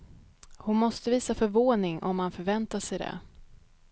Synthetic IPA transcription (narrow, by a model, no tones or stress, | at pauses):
hʊnmɔst̪əviːsafœɾvoːnɪŋʔɔ̰mːanfœɾvɛnt̪aʂɛjd̪ɛ̰